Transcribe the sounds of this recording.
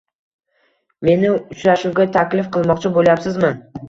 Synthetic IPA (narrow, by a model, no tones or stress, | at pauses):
me̞nɪʊt͡ʃɾaʃuwɡʲat̪ʰakʲlɪfqʰɨlˠmɒqt͡ʃʰɪboljapsɪzmɪ